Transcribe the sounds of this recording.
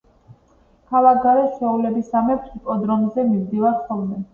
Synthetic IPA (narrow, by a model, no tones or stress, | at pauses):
kʰavaɡaɾɛʃɛulɛbisamɛpʰipʼɔd̪ɾɔnzɛmimd̪ivaɾχɔlˠmɛ